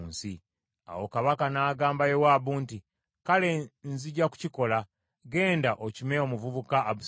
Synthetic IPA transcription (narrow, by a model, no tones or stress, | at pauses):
nsi | a̰wo̞kaβakanaːɡaːmbajewaːβuːnti | kale̞nziɟaku̥ciko̞la | ɡe̞ːndaʔocimeo̞muvuβukaːβu